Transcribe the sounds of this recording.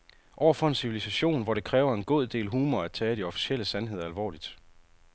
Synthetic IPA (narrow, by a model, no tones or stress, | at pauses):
ʔɒ̰ʊɐfɒ̽e̝nsiʋilisæɕo̝̰ːnʋɒɾ̥e̝kʰʁɛːʊɐe̝nɡ̥o̝ð̰ˠd̥e̝̰ːlɦuːmɐæ̥t͡sʰɛːɾ̥iɒ̽fi̥ɕeləsænɦe̝ð̞ˠɐælʋɒ̰ːlid̥